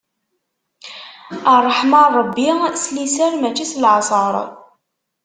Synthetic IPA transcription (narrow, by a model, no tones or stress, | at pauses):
ərˤːħmɑrˤəbːislisæɾmæt͡ʃːislʕɑsˤəɾˤ